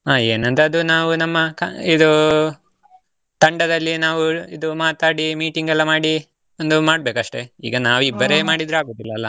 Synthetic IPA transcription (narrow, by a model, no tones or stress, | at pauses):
aːeːnɐnt̪ɐːd̪unaːʋunɐmːɐkid̪u | t̪ɐɳɖɐd̪ɐlːinaːʋuid̪umaːt̪aːɽimiːʈiŋɡɛlːɐmaːɽi | ond̪umaːɽbe̞kɐʂʈe̞ḭːɡɐnaːʋuibːɐɾe̞ːmaːɽid̪ɾuaːɡo̞ːd̪ilːɐɐlːɐ